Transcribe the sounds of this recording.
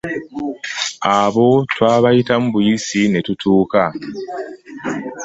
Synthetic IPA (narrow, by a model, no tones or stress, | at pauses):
aβo̞twaːβajitamuβujisine̞tutʰuːka